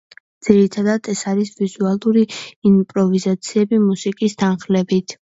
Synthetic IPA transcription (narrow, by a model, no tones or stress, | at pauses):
d̪z̥iɾit̪ʰad̪at̪ʰɛsaɾisvizualˠuɾiimpʼɾɔvizat̪sʰiɛbimusikʼist̪ʰanχlɛbit̪ʰ